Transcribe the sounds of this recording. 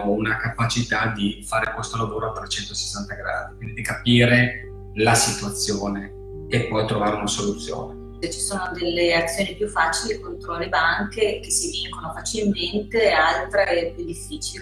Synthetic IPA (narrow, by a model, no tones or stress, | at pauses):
ounakapat͡ʃit̪ad̪ifaːɾekwest̪olavoːɾoat̪ːɾet͡ʃɛnt̪ose̥sːant̪aɡɾa̰ːd̪ikwind̪id̪ikapiːɾe | lasit̪wat̪sːjoːne | epːɔjt̪ɾovaːɾeunasolut̪sːjo̰ːne | et͡ʃi̥soːnod̪elːeat̪sːjoːnipjufːaːt͡ʃilikont̪ɾolebaŋkekesiviŋkonofat͡ʃilment̪ealt̪ɾeɛpjud̪ifːiːt͡ʃil